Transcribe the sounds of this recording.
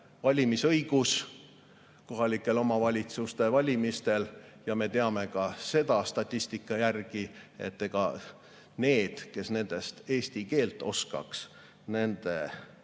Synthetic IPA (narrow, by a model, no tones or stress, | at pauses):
vɑlʲimisɤjɡ̥us | ko̞ɦɑlikːˑe̞lo̞mɑvɑlʲit̪sust̪e̞vɑlʲimist̪e̞ljɑme̞t̪e̞ɑme̞kɑse̞d̪̥ɑst̪ɑt̪ʲˑːist̪ikːˑɑjærɡ̥ie̞̰t̪ːeɡɑ̰ | ne̞ːd̪̥ke̞sne̞nd̪̥e̞st̪e̞ːsʲt̪ike̞ːlt̪ːˑo̞skɑ̰ks | ne̞nd̪̥e̞